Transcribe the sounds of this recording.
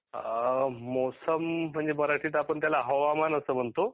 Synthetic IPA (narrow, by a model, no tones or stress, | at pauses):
osəm̤ːəɳd͡zeməɾaʈʰiːt̪̬apəɳt̪̬jalaɦəʋamanəsəːm̤əɳt̪o